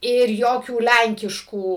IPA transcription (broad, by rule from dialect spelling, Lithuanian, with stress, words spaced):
ɪr ˈjoːkʲuː ˈlʲɛŋʲkʲɪʃkuː